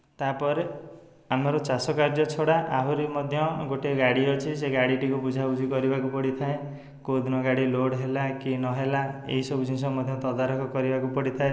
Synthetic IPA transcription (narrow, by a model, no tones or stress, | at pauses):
t̪apɔɾe | amaɾɔt͡ʃasɔkaɾd͡ʒɔt͡ʃʰɔɽaʔaɦuɾimɔd̪ʱjɔɡoʈeɡaɽiɔt͡ʃʰiseɡaɽiʈikubud͡ʒʱabud͡ʒʱikɔɾibakupɔɽit̪ʰae | kod̪nɔɡaɽiloɽɦelakinɔɦelaḛɦisɔbud͡ʒʱinsɔmɔd̪ʱjɔt̪ɔd̪aɾɔkʰɔkɔɾibakupɔɽit̪ʰae